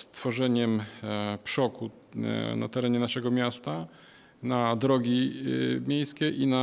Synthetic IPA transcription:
st̪fɔʐɛɲɛmpʂɔku | na̰t̪ɛɾɛɲɛnaʂɛɡɔmʲjast̪a | nad̪ɾɔɡʲimʲjejskʲɛʔina

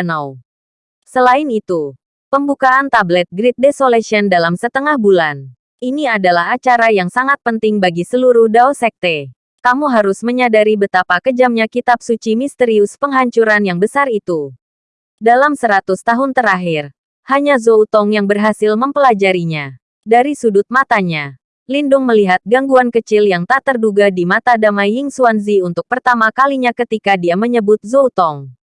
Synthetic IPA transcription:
na | səlainit̪u | pəmbukaʔant̪ablɛt̪̚ɡɾit̪̚desolesiɔndalamsət̪əŋahbulan | iniadalahat͡ʃaɾajaŋsaŋat̪̚pənt̪ɪŋbaɡisəluɾuhdaosɛk̚t̪e | kamuɦaɾʊsməɲadaɾibət̪apakəd͡ʒamɲakit̪ap̚sut͡ʃimist̪əɾiuspəŋɦaɲt͡ʃuɾanjaŋbəsarit̪u | dalamsəɾat̪ʊst̪aɦʊnt̪əɾaɦɪr | haɲazout̪ɔŋjaŋbərɦasɪlməmpəlad͡ʒaɾiɲa | daɾisudʊt̪̚mat̪aɲa | lindʊŋməliɦat̪̚ɡaŋɡuankət͡ʃɪljaŋt̪at̪ərduɡadimat̪adamajɪŋsuanziunt̪ʊk̚pərt̪amakaliɲakət̪ikadiaməɲəbʊt̪̚zout̪ɔŋ

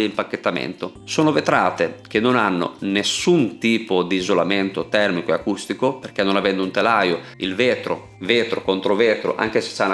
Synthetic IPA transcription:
impakːet̪ːamḛnt̪o | soːnovet̪ɾaːt̪ek̟enːonanːo̰nesunt̪iːpod̪iːzolamɛnt̪ot̪ɛrmikoeakust̪ikoperk̟enːonavɛnd̪unt̪elajoḭlveːt̪ɾo̰ | veːt̪ɾokont̪ɾoveːt̪ɾo̰ʔa̰ŋk̟ese̥t͡ʃːan

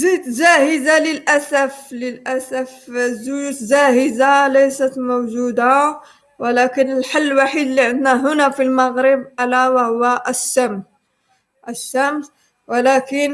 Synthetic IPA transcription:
zit̪ʒæhəzaləlʔæsæfləlʔæsæfzʊut̪ʒahəzalæjsæt̪mowʒud̪a | wəlækənəlħalːwaħid̪liʕənd̪næɦʊnæfilmaɣɾəbʔælæwahʊwːæʔəʃːæm | ʔəʃːæms | wəlækən

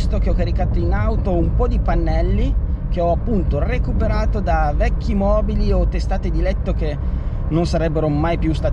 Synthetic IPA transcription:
st̪okeɔkːaɾikaːt̪oinawt̪oumpɔd̪ipanːɛlːik̟eɔapːunt̪orekupeɾaːt̪od̪avɛkːimɔːbiliot̪ːest̪aːt̪ed̪ilɛt̪ːok̟e | nːonsaɾɛbːeɾomajpjust̪aːt̪

